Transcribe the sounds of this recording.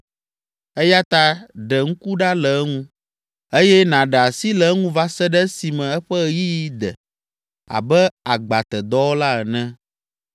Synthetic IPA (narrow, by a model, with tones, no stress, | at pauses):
ɛ˦ja˦t̪a˦ɖɛ˨ŋ̩̃˦ku˦ɖa˦lɛ˨˦ŋũ˦ | e˦jɛ˦nã˨ɖɛ˨a˨si˦lɛ˨˦ŋũ˦va˦sɛ˦ɖɛ˦si˨mɛ̃˨ɛ˦ɸɛ˦ji˦ji˦d̪ɛ̰˨ | a̰˨bɛ˦a˨ɡ͡ba˨t̪ɛ˨d̪ɔ˦wo˦la˦ɛ˨nɛ̃˦